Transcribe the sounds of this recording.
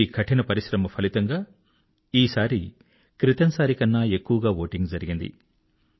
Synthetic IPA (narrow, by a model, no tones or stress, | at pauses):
ikʰɐʈinɐpɐɾiʃɾɐmɐpʰɐlit̪ɐŋɡaː | iːsaːɾi | kɾit̪ɐnsaːɾikɐnːɐe̞kːuʋɐɡaːʋo̞ːʈiŋɡd͡ʒɐɾiɡind̪ḭ